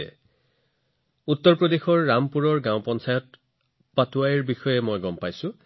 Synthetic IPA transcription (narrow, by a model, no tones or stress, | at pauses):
ɛ̰ | utːɔɹpɹɔdexɔɹːampuɹɔɹɡãʊpɔnsajɔt | patuaiɹbixɔjɛmɔjɡɔmpajsʊ̃